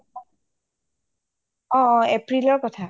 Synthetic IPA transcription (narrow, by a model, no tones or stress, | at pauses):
ɔ̃epɹilɔɹkɔtʰa